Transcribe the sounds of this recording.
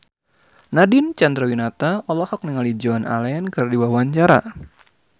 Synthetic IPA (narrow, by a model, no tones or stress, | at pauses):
nadint͡ʃand̪ɾawinat̪aɔlɔhɔk̚niŋalid͡ʒɔna̰lankɨrdiwawaɲt͡ʃaɾa̰